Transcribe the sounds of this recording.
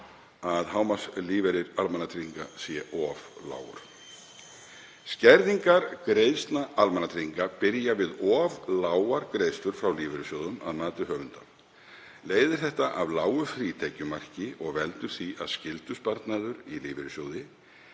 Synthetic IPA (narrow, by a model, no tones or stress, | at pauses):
aðɦaːwmasliːvɛɾɪɾalmɛnːat̪ʰɾiŋkasjɛʔɔvla̰ːwʏ̰ɾ̥ | scɛɾðiŋkaɾkɾeːjðst̪naʔalmɛnat̪ʰɾiŋkapɪɾjavɪðɔːvlaːwaɾkɾejðst̪ʏɾ̥fɾawliːvɛɾʏsjowðʏma̰ðnaːt̪ʏɦœːvʏnt̪a | leːjðɪ̥θɛht̪aʔavlaːwʏfɾiːt̪ʰɛcʏmar̥cɪʔɔɣvɛlt̪ʏɾ̥θia̰ðscɪlt̪ʏspaɾt̪naːðʏɾiliːvɛɾʏsjoːwðɪ